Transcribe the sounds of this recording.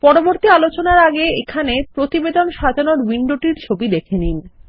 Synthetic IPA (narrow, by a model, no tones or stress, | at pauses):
pɔɾoboɾt̪ialot͡ɕonaɾaɡeekʰanepɾot̪ibed̪onʃad͡ʑʱanoɾwiɳɖoʈiɾt͡ɕʰobid̪ekʰenin